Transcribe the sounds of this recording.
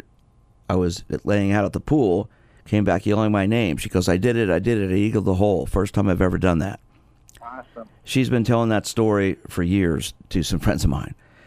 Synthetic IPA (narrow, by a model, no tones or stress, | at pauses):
aɪwʌzlʔeɪɪ̃ŋaʊɾət̪̚ðəpʰulˠ | kʰẽɪ̃mbækjɛlˠɪ̃ŋmaɪnẽɪ̃mʃi̥kʰʌzaɪdɨɾɪɾaɪdɨɾɨɾiiɡʌvðəɦoʊlˠfɜ˞stʰãɪ̃maɪvɛvə˞dʌ̃nðæ̰t̚ | ʃizbɨ̃ntʰɛlˠɪ̃ŋðɨtstɔɹifə˞jɪɹz̥tʰɨsʌ̃ɱfɹɛ̰̃ndzɨ̃nmã̰ɪ̃n